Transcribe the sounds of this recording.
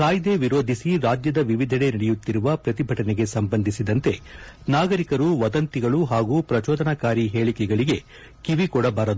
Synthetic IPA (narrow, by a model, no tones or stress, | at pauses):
kaːjd̪e̞ʋiɾo̞ːd̪ʱisiɾaːd͡ʒjɐd̪ɐʋiʋid̪ʱɐɽe̞nɐɽɛjut̪ːiɾuʋɐpɾɐt̪ibʱɐʈɐneɡe̞sɐmbɐnd̪ʱisid̪ɐnt̪e̞naːɡɐɾikɐɾuʋɐd̪ɐnt̪iɡɐɭuɦaːɡuːpɾɐt͡ʃɔːd̪ʱɐnɐkaːɾiɦeːɭikɛɡɐɭiɡe̞ | kiʋikɔɽɐbaːɾɐd̪u